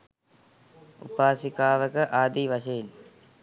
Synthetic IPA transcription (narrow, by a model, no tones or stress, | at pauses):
ṵpaːsikaːʋəkɐʔaːd̪iʋɐʃɐjil